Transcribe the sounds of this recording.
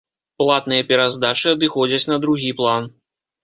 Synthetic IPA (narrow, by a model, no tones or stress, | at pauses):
plˠat̪̚nɨjɐpʲɛɾazd̪at͡ʂɨɐd̪ɨxɔd͡zʲɐt͡sʲnɐd̪ɾuɣʲiplˠan